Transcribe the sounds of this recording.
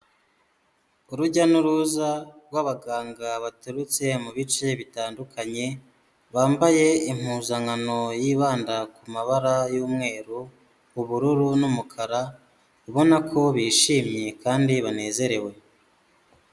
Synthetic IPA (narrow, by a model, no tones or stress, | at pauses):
uɾuɟanuɾuzaɾɡwaβaɡaːŋɡaβatuɾut͡se̞muβit͡ʃe̞βitaːndukʰaɲe̞ | βaːmbaje̞im̥huːzaŋano̞jiːβaːndakumaβaɾajuːmŋe̞ːɾu | uβuɾuɾunumukʰaɾa | uβo̞nakʰo̞βiːʃiːmɲekaːndiβane̞ːze̞ɾe̞we̞